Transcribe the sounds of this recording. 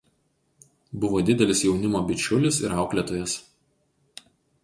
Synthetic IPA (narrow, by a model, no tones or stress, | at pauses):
bʊʋoːd̪ʲɪd̪ʲɛlʲɪsjɛʊnʲɪmoːbʲɪt͡ʃʲʊlʲɪsɪ̰ɾɑˑʊklʲɛt̪oːjɛs